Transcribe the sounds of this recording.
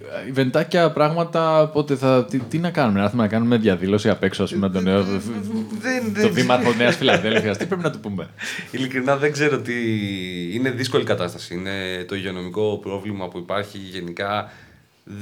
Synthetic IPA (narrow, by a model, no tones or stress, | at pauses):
ive̞nt̪ɐcɐpɾɐɣmɐt̪ɐpo̞t̪eθɐt̪it̪inɐkɐnumenɐɾθumenɐkɐnume̞ðʝɐðilo̞siɐpe̞ksoɐspumenɐt̪oneo | ðenoðimɐt̪oneɐsfilɐðe̞lfiɐst̪i̥pɾep̬inɐt̪upume̞ilikɾinɐðe̞ɡze̞ɾo̞t̪i | ine̞ðisko̞likɐt̪ɐst̪ɐ̥siinet̪o̞iʝeo̞no̞miko̞pɾo̞vlimɐpuipɐɾçiʝe̞nikɐ